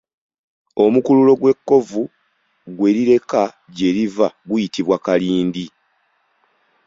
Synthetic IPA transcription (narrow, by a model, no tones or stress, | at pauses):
o̞mukululo̞ɡwe̞kːo̞vu | ɡwe̞ɾiɾe̞ka | ɟe̞ːɾivaɡujitiβwakaliːndi